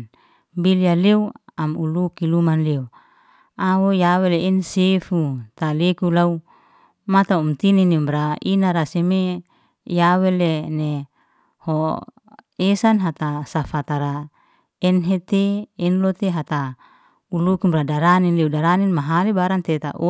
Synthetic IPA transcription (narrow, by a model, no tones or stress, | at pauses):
bilijaleuamulukilumanleu | awojaweleinsefut̪alekulau | mat̪aumt̪ininimbɾainaɾaseme | jawelene | ho | esanɦat̪asafat̪aɾa | ɛnɦet̪eːnlot̪eɦat̪a | ulukimbɾadaɾaninleudaɾaninmaɦalebaɾant̪et̪a̰ʔo